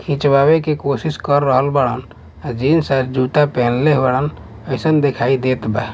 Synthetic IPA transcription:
kʰĩt͡ʃbabekekosiskəɾːəɦəlbaɽən | ad͡ʒinsaɾd͡ʒut̪apɛɦnleɦbaɽən | əɪsənd̪ekʰaid̪et̪bɛ

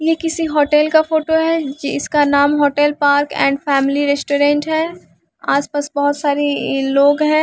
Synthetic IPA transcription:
jekɪsiɦoːʈɛlkafoːʈoɦɛd͡ʒɪskanaːmɦoːʈɛlpaːɾkɛ̰̃ːɳɖfɛːmɪliɾɛːsʈoɾẽːɳʈɦɛː | aːspasbɔɦʊt̪saːɾeloːɡɦɛ̃ː

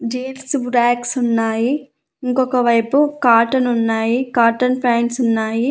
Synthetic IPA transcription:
d͡ʒeːlsbɾaːksunːaːji | iŋkɔkɐʋɐjpukaːɾʈɐnunːaːjikaːɾʈɐnpɾaːɳʈsunːaːji

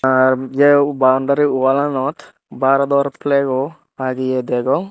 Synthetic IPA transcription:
aɾd͡ʒebawɳɖaɾiuwalanɔt̪ | baɾad̪ɔɾpleɡɔ | aɡijed̪ɛɡɔŋ

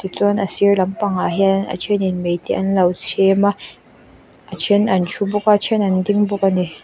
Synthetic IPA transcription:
tit͡sunɐsirlɐmpɐŋaɦianɐ̰t͡ʃʰɛninmejt̪iʔɐnlɐwt͡sʰɛma | ʔat͡ʃʰɛnɐnt͡ʃʰubʊkat͡ʃʰɛnɐndiŋbʊk̚ani

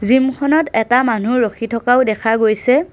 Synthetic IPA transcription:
zimkʰɔnɔtɛtamanuɹoxʰitʰɔkaʊdɛkʰaɡojsɛ

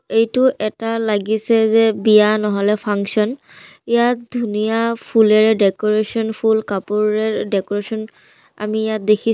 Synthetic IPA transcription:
ejtʊʔɛtalaɡisɛzɛbijanɔɦɔlɛpʰaŋksɔn | ijat̚dʱunijapʰulɛɹɛdɛkɔɹesɔnpʰulkapuɹɛdɛkɔɹesɔn | a̰mijat̚dekʰi

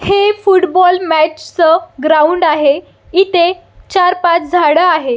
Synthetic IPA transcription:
hefuʈbɔlmæt͡ɕt͡səɡɾauɳɖaɦe | it̪e | t͡ɕaɾpat͡sd͡zʱaɽəaɦe

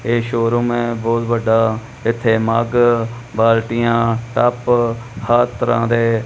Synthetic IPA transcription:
eːʃoːɾõːmɛ̃ːbɔːt̪ʋəɖaː | ɪt̪ʰːeːmaːɡbaːlʈɪjãːʈəphət̪əɾã̰ːd̪eː

